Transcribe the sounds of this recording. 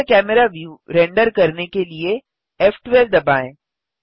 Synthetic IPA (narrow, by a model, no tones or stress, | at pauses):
kɛːmɛɾaʋjuːɾẽːɳɖəɾkɐɾnekelie | eːfʈʋeːld̪ɐbaːẽː